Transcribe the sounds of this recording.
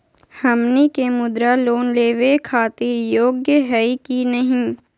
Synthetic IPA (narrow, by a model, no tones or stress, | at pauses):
hɐmnikemʊd̪ɾaloːnleːʋekʰaːt̪iːɾjoːɡjəɦɛikinɐɦĩ